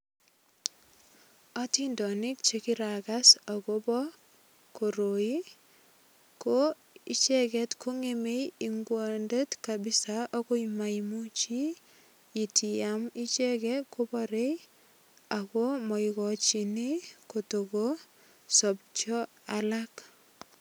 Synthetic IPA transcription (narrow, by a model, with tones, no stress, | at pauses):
atindɔ˨nɪ˦k̚t͡ʃekiɾakasa˨kobɔ˦ | ko˨ɾoi˦ | ko | i˦t͡ʃɛkɛ˦tkʰo˦ŋemejiŋɡwo˨nde˦tkabi˦saʔo˦ko˦ima˨imu˦t͡ʃi˦ | i˨ti˨jami˦t͡ʃɛ˦kɛko˦bɔɾej | a˨ko˦mɔ˨ikɔ˨t͡ʃi˨ni˦kotoko | sɔp̚t͡ʃɔ˦ | alak